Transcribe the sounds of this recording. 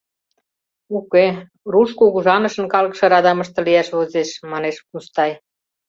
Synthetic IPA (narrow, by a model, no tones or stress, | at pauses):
uke | ruʃkuɣuʒɑnə̆ʃə̆nkɑləkʃɤ̆ɾɑd̪ɑməʃt̪ɤ̆lijæʃβozeʃmɑneʃkust̪ɑj